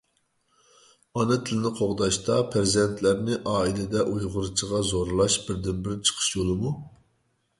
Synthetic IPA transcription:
ɑnɨt̪ʰɪlɪnɪqʰoʁd̪ɑʃt̪ɑpʰɾɪzɛnt̪ʰlæɾnɪʔɑːilɪd̪ɛʔujʁʊɾɨt͡ʃʰəʁɑzoɾlˠɑʃbɪɾd̪ɪnbɪɾt͡ʃʰə̥qʰə̥ʃjolˠɨmu

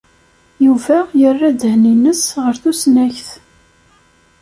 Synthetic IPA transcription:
juvæjərːad̪əhninəsʁəɾθusnæçθ

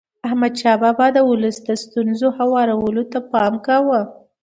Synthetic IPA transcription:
ahmad̪ʃɑbabad̪əwʊləsd̪əst̪unzohawɑɾawəlot̪apɑmkawə

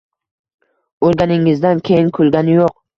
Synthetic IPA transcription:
oɾɡʲanɪŋːɪzd̪ankʲʰejɪŋkʰʊlˠɡʲanɪjoq̚

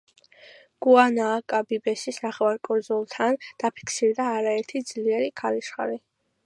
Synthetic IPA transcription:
ɡ̥uanaːkʼabibɛsisnaχɛvwaɾkʼuɾd̪zulˠt̪ʰand̪̥apʰi̥kʰsiɾd̪aːɾaɛɾt̪ʰid̪z̥liɛɾikʰaliʃχa̰ɾi

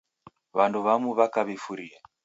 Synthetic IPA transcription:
βanduβamuβakaβifuɾia

